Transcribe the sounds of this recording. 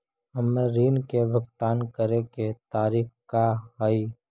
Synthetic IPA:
əmːeɾiːnkebʱəɡt̪aːnkəɾeket̪aːɾiːkkːaɦəi

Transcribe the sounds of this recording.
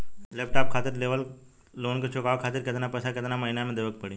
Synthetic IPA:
lepʈap̚kʰat̪iːɾleʋəl | lonkət͡ɕʰukaʋkʰat̪iːɾket̪napəsaket̪naməɦinjamẽd̪eʋək̚pəɽi

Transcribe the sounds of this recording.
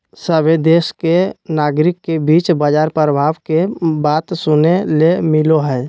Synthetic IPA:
səbed̪eːskenaːɡɾɪkːebiːt͡ʃbəd͡ʒaːɾpɾəbʱaːʋkebaːt̪sʊnelemɪloɦɛː

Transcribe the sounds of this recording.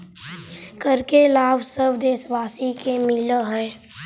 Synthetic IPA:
kəɾkelaːbsəbd̪eːsʋaːsikemɪləɦɛ̃ː

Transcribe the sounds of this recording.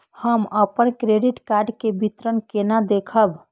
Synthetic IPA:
həməpənkɾeɖiʈkaɾɖkebʱit̪ɾənkenad̪ekʰəb

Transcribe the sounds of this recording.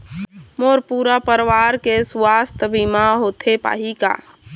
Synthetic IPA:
moːɾpuːɾapəɾʋaːɾkeswaːst̪ʰəbimaɦoːt̪ʰepa̰ːɦika̰ː

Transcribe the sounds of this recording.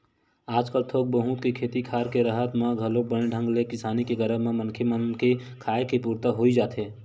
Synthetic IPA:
aːd͡ʒkəlt̪ʰok̚bəɦũt̪kekʰeːt̪ikʰaːɾkeɾəɦət̪meɡʱəlobəñeɖʱə̃ŋɡlekɪsaːnikeɡəɾəmemənkʰemənkekʰaekepuɾt̪əɦoid͡ʒaːt̪e

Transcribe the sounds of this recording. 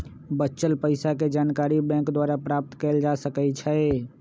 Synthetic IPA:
bətːt͡ʃəlpəɪsaked͡ʒaːnkaːɾibɛ̃ːŋkd̪waːɾapɾaːp̚t̪kɛːld͡ʒasəkɛt͡ʃʰɛ

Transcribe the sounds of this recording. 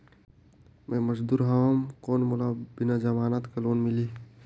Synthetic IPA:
mẽməsd̪uːɾɦaʋamkoːnmolabɪnad͡ʒɐmaːnat̪kɐloːnmɪliː

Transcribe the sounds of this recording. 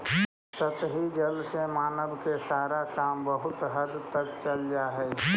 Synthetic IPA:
sət̪ɦid͡ʒəlsemaːnəbkesaːɾakaːmbəɦʊt̪ɦəd̪t̪əkt͡ʃɐld͡ʒaːɦɛː

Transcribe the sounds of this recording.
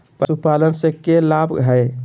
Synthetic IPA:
psupalənsẽkelabɡʱɦəj

